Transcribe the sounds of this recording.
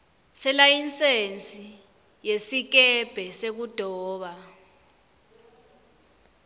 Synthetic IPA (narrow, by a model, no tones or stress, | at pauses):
sɛlajint͡sʼent͡sʼi | jesik̬ɛb̥ʱɛsek̬ud̥ʱɔːɓa